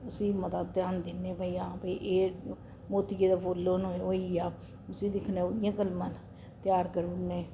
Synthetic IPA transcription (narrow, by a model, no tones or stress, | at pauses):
ʊsiːmət̪at̪jãːnd̪ɪnːẽːpəiãːpiʔeː | moːt̪iɡeːd̪aːpoːlːoːnooːiːaː | ʊsĩːd̪ɪkʰnẽːoːd̪ɪjãːkəlmãːn | t̪jaːɾkəɾuneː